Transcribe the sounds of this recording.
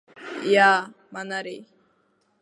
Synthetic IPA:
ja | manaɾi

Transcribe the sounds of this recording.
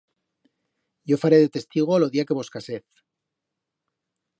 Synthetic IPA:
ɟ͡ʝo̞faɾeðe̞t̪e̞st̪iɣ̞o̞lo̞ðiake̞βo̞skaseθ

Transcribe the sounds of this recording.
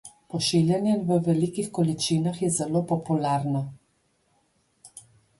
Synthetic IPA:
pɔʃiːljɛnjɛʋəʋɛlikixkɔlit͡ʃiːnaxjɛzɛloːpɔpulaɾna

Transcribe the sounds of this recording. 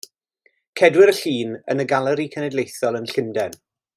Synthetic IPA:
kʰɛdwɪɾəɬiːnə̰nəɡalˠəɾikʰənɛdlejθɔlˠənɬɪndɛn

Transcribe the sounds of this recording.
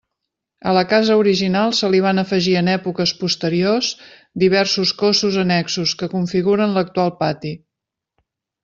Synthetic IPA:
ələkazəuɾiʒinalˠsəliβ̞anəfəʒiənɛpukəspust̪əɾioz | d̪iβ̞ɛrsuskosuzənɛksuskəkuɱfiɣuɾənlək̚t̪ualˠpat̪i

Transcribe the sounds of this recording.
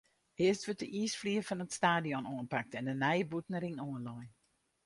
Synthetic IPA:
hɪəstʋøt̚əʔisfliːəfɔnətstaːdiɔnoənpak̚tɛndənɛjəbutnəɾiŋoənlɔjn

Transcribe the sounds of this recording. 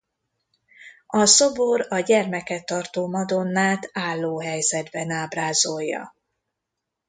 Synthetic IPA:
ɒsobo̞ɾɒɟɛrmɛkɛt̪ːɒrt̪oːmɒd̪o̞nːaːt̪aːlːoːɦɛjzɛd̪bɛnaːbraːzo̞jːɒ̰

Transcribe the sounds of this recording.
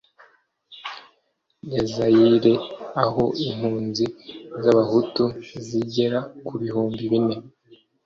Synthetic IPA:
jazajiɾe̞aho̞iŋhuːnzizaβahutuziɟe̞ɾakuβihuːmbiβine̞

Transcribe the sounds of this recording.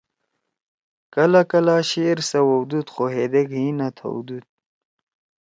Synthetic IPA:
kɐlakɐlaːɕeɾsɐwɐwd̪ut̪xoɦed̪eɡɦinat̪ʰɐ̰wd̪ud̪̚

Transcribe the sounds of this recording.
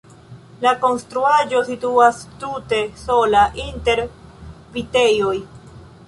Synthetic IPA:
lako̞nst̪ɾuaʒo̞situastute̞so̞laʔinte̞ɾvite̞joj

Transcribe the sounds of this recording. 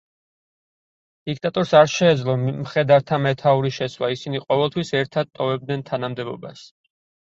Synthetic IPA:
d̪̥ikʰt̪ʼat̪ʼɔɾsaɾʃɛːd̪zlˠɔmχɛd̪aɾt̪ʰamɛt̪ʰauɾiʃɛswaisiniqʼɔvɛlˠt̪ʰwisɛɾt̪ʰad̪̚t̪ʼːɔvɛb̚d̪nɛnt̪ʰanamd̪ɛbɔ̰ba̰s

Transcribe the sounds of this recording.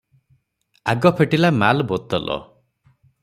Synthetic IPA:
a̰ɡɔpʰeʈilamalbot̪ɔlʔɔ̰

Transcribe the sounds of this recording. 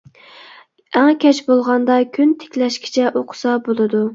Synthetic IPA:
æŋkʲʰɛt͡ʃbolˠʁɑnd̪ɑkʲʰynt̪ʰe̥kʲlɛʃkʲʰi̥t͡ʃʰɛʔoqʰʊ̥sɑbolˠɨd̪u

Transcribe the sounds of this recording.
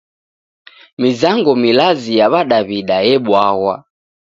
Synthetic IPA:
mizaŋɡɔmilazijaβaɗaβiɗajɛɓwaɣwa

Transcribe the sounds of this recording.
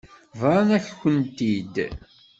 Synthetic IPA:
vɾˤɑnæççənt̪id̪

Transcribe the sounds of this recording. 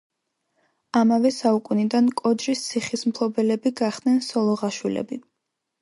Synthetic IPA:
amavɛsaukʼunid̪ankʼɔd͡ʒɾist̪sʰiχismpʰlˠɔbɛlɛbiɡaχd̪̥nɛnsɔlˠɔʁaʃwilɛ̰bi

